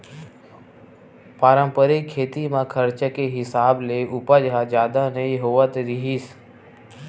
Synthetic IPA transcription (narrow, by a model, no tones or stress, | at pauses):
paːɾə̃mpəɾekʰːeːt̪imãːkʰəɾt͡ʃəkeɦɪsaːbleːʔʊpəd͡ʒɦaːd͡ʒjaːd̪anəiɦoːʋət̪ɾɪɦiːs